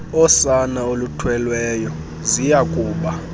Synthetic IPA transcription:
ɔsanaolutʰwɛlwɛːjɔ | zijakʼuːɓa

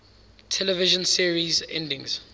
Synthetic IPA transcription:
tʰɛlɛvɪʒə̃nsiɹizɛ̰̃ndɪ̃ŋz̥

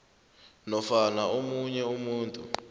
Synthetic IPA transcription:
nɔfanaomuɲɛumuːntʼṵ

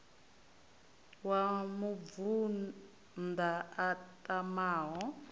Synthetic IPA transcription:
wamuvu | ndaatʼamaːɦɔ

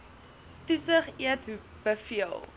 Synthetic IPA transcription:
tusəχiətɦu | b̥əfiəlˠ

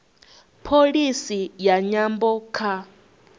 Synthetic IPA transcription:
pʰolisijaɲambɔkʰa

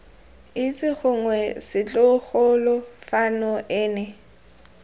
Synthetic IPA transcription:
ɪt͡sʼɪɣʊŋwɛsɪt͡ɬʼʊχʊlɔfanɔʔɛːnɛ

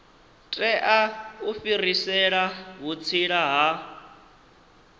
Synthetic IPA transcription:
tʼɛʔaufirisɛɺaɦut͡sʰiɺaɦa

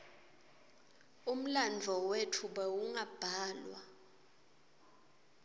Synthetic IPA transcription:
um̩land͡ɮʱɔwetʰuɓɛwuŋab̥ʱaːlwa̰

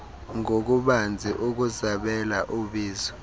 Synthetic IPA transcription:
ŋok̬uɓand͡zʱiʔuk̬uzaɓɛlaʔuɓiːzɔ

